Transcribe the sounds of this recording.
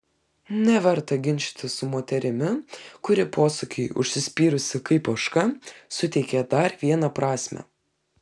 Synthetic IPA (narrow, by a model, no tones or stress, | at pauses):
nʲɛʋʲɛɾt̪ɐɡʲɪnʲʃʲt̪ʲɪsʊmoːt̪ʲɛɾʲɪmʲɪkʊɾʲɪpoːsʊkʲɪɪʊ̰ʃʲsʲɪsʲpʲiːɾʊsʲɪkɐɪpɐʃkɐsʊt̪ʲɛɪkʲɛd̪ɐɾʋʲiɛnɐpɾɑːsʲmʲɛ̰